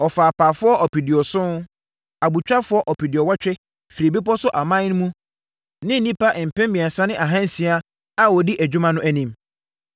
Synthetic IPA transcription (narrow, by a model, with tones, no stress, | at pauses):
ɔ˨faː˨pʰaː˨fʊ˦ɔ˦ʔɔ˨pi˨di˨ɔ˨sʊ̃˦n˦ | a˨bu˨t͡ɕᶣa˦fʊ˦ɔ˦ʔɔ˨pi˨di˨ɔ˨wa˦t͡ɕᶣɛ˦ | fi˨ɾe˨bi˦pɔ˦sʊ˦ʔa˨mã˦ñ˦mũ˦ | nɪ̃˦n̩˨nĩ˦pa˦ʔɪ˨m̩˨pʰɛ̃˦mbĩ˨a˨sã˦nɪ̃˦ʔa˨ɦã˦n̩˨si˨˦a˦ | a˦wɔ˨di˦ʔæ˨d͡ʑᶣu˦mã˨nʊ̃˦ʔæ˨nĩ˨m